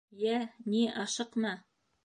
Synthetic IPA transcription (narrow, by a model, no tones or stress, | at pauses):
jæniʔɑʃɤqmɤ